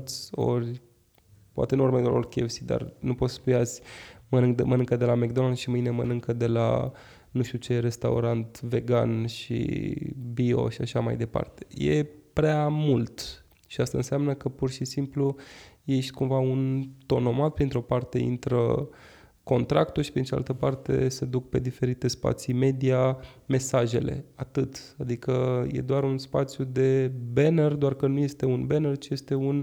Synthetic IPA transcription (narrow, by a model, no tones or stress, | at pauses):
t̪sʲo̞̰rʲ | poa̰t̪e̞nuuɾmed̪laorʲkʲefsid̪a̰rnupo̞t̪sə̥pujaz̥ʲmənɨŋkd̪mənɨŋkəd̪e̞lameɡ̚d̪o̞nad̪ʃimɨjnemənɨŋkəd̪e̞la̰ | nuʃt̪ut͡ʃe̞re̞st̪a̰ṵɾant̪ve̞ɡa̰nʃḭbio̞̰ʃiaʃama̰jd̪e̞pa̰rt̪e̞̥je̞̰pɾeamult̪ | ʃiast̪aɨ̰nsɪamnəkəpurʃisimpluje̞ʃt̪ʲkumvaunt̪o̞no̞mat̪̚pɾint̪ɾo̞part̪e̞̰ḭnt̪ɾə̰ | ko̞nt̪ɾakt̪uʃi̥pɾinea̰lt̪əpart̪e̞̰se̞d̪uk̚pe̞d̪ife̞ɾit̪e̞spa̰t̪sime̞d̪iame̞saʒe̞̰lḛat̪ɨt̪ad̪ikəjḛd̪oaɾunspat̪sjud̪e̞benerd̪oarkənuje̞st̪e̞unbenert͡ʃije̞st̪e̞un